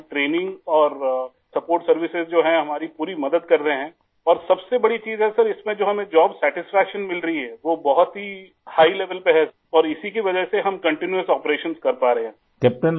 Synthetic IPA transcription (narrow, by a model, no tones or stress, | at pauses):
ʈɾeːnɪ̃ŋɡɔːɾ | sɐpoːɾʈsɐɾʋɪsɪzd͡ʒoːɦɛ̃ɦɐmaːɾipuːɾimɐd̪əd̪̚kɐɾːɐɦeɦɛ̃ː | ɔːɾsɐbsebɐɽit͡ʃiːzɦɛsɐɾɪsmẽd͡ʒoːɦɐmẽd͡ʒɔːbsɛːʈɪsfɛːkʃənmɪlɾɐɦiɦɛːʋobɐɦʊt̪ɦi | haːileːʋəlpeɦɛ | ɔːɾɪsik̬iʋɐd͡ʒəseɦɐmkɐ̃ɳʈɪnjuəsɔːpɾeːʃənskɐɾpaːɾɐɦẽɦɛ̃ | kɛːp̚ʈən